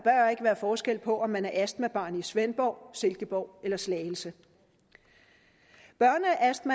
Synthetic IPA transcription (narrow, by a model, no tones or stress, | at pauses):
b̥ɶɐe̝ɡ̥əʋæːɐfɒːsɡ̥el̰pʰɒ̽ʔɒ̽mːænæɐʔæsd̥mæb̥ɑ̈ːnisʋenb̥ɒʊ̰se̝lɡ̥əb̥ɒʊ̰elɐslɛːl̩sə | b̥ɶɐ̰nəæʔæsd̥mæ